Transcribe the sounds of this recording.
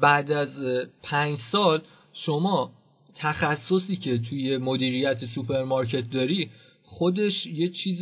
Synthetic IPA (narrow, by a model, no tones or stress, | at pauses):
bæʔd̪æzpʰæɲd͡ʒsɒːl | ʃomɒː | t̪ʰæxæsːo̞siːcʰe̞t̪ʰuje̞mo̞d̪iːɾijæt̪ʰesupʰe̞ɾmɒɾcʰe̞t̪̚d̪ɒːɾi | χo̞d̪e̞ʃje̞t͡ʃʰiːz